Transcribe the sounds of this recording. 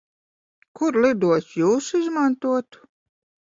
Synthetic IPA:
kuɾlˠid̪uɔsjuːsizmant̪uɔt̪u̥

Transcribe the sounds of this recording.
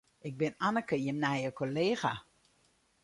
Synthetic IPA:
ɪk̚bɪnanəkəjɪmnajəkoleːɣa

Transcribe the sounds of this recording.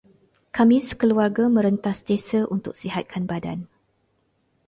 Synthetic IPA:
kamĩsə̥kəluarɡamə̃ɾənt̪asdesəʔunt̪ʊk̚siɦat̪̚kʰanbada̰n

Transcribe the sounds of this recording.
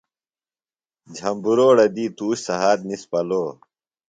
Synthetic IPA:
d͡ʑʱɐmbuɾoːɽɐd̪iːt̪uːɕsɐɦaːd̪nispɐloː

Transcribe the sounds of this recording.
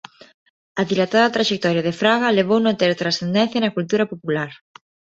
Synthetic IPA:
ɐðilat̪aðɐt̪ɾaʃek̚t̪ɔɾjaðefɾaɣaleβ̞ownot̪eɾt̪ɾasθend̪ẽn̟θjɐnɐkult̪uɾɐpopulaɾ

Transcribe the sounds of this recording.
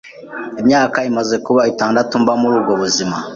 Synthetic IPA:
imɲaːkaimaze̞kuβaitaːndatumbamuɾuːbɡo̞βuzima

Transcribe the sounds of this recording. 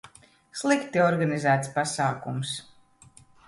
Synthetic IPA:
slˠikt̪iɔɾɡanizæːt̪spasaːkums

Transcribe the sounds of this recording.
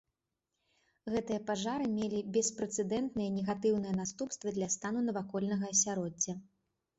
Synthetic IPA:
ɣɛt̪ɨjɐpaʐaɾɨmʲelʲibʲɛspɾɛt̪sɛd̪ɛnt̪nɨjɐnʲɛɣat̪ɨwnɨjɛnast̪upst̪vɐd̪lʲɐst̪anunɐvakɔlʲnɐɣɐːsʲaɾɔd͡zʲːɐ

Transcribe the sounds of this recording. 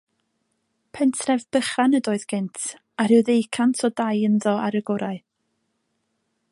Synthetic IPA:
pʰɛntʰrɛvb̥əχanədoːɨðɡ̥ɪntʰ | aɾɨwðejkʰantʰɔdajənðɔaɾəɡɔɾaɨ

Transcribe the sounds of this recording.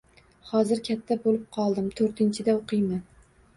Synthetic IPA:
hɒzɪɾkʲʰat̪ʰːabolɪp̚qʰɒlˠd̪ɪmt̪ʰɵɾt̪ʰɪnt͡ʃʰɪd̪aoqʰɨjman

